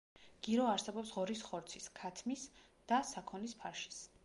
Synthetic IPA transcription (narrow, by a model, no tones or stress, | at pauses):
ɡ̥iɾɔaɾsɛbɔpsʁɔɾisχɔɾt̪sʰiskʰat̪ʰmis | d̪̥asakʰɔnispʰaɾʃi̥s